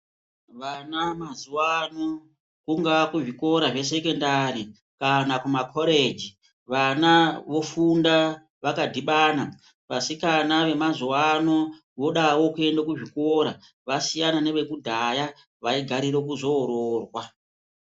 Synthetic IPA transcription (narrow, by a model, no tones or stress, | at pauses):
ʋanamazuwano | kuŋɡaakuʐiko̞ɾaʐe̞s̬e̞ke̞ndaɾi | kanakumakʰo̞ɾed͡ʒi | ʋanaʋo̞funda | ʋakadʱiɓaːna | pasikanaʋe̞mazuwano̞ | ʋo̞ɗawo̞kue̞ndakuʐikoɾa | ʋasijanane̞ʋe̞kudʱaja | ʋaiɡʱaɾiɾe̞kuzo̞ːɾoːrwa